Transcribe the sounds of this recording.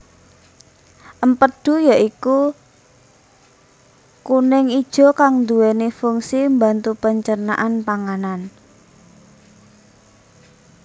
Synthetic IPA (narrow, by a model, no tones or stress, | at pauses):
ʔəmpəd̪̥ṳjaʔiku | kunɪŋid̥ʒ̥ɔ̤kaŋnd̪uɛnefuŋsimbant̪upəɲt͡ʃəna̰ʔanpaŋanan